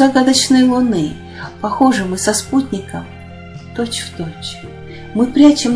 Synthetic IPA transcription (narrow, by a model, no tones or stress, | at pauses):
ɐɡad̪ət͡ɕnəjlˠʊnɨ | pɐxo̞ʐɨmɨsɐsput̪ʲnʲɪkəm | t̪ot͡ɕft̪ot͡ɕ | mɨpɾʲat͡ɕɪm